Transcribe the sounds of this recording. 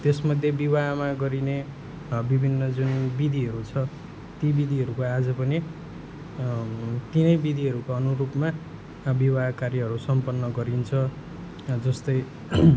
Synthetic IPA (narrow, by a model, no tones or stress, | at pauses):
t̪esmʌd̪ʱjebiwaɦmaɡʌɾine | bibʱinːʌd͡zunbid̪ʱiɦʌɾut͡sʰʌ | t̪ibid̪ʱiɦʌɾukoad͡zʌpʌni | t̪inʌjbid̪ʱiʌɾukoʌnuɾupma | bibakarjʌɦʌɾusʌmpʌnːʌɡʌɾint͡sʰʌ | d͡zʌst̪ʌj